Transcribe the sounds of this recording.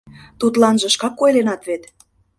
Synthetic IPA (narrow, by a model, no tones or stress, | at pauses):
t̪ut̪lɑnʒə̆ʃkɑkːojlenɑt̪βet̪